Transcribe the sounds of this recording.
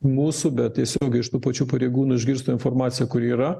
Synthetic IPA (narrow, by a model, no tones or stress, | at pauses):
muːsʊbʲɛt̪̚t̪ʲiɛsʲoːɡʲɛɪʃt̪uːpɐt͡ʃʲuːpɐɾʲeɪɡuːnʊɪʒʲɡʲɪɾst̪oːɪnfoːrmɑːt̪sʲɪjɛkʊɾiːɾɐ